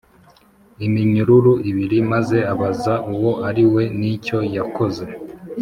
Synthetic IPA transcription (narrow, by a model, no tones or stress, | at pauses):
imiɲuɾuɾuiβiɾimaze̞aβazaʔuwoʔaɾiwe̞nico̞jako̞ze̞